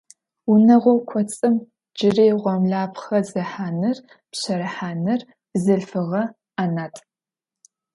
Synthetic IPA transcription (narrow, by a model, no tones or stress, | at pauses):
ʊnɐʁʷɔkʷʰɔt͡sʼɨm | d͡ʒɪreːʁʷɔmɮaːpʰχɐzɐħaːnɨr | pɕɐɾɐħaːnɨr | zɨɮfɨʁɐ | aːnaːtʼ